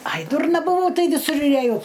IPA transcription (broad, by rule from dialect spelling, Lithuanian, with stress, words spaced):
ɐj ˈdʊrnɐ bʊˈʋɐʊ ˈtɐɪ ʋʲɪˈsʊr ɪr ɛˈjɛʊ